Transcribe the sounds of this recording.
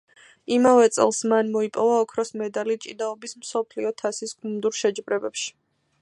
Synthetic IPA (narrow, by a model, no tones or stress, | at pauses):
imavɛt̪sʼɛ̰lˠsmanmɔipʼɔvaɔkʰɾɔsmɛd̪alit͡ʃʼid̪aɔbismsɔpʰliɔt̪ʰasisɡumd̪uɾʃɛd͡ʒbɾɛbɛpʃi̥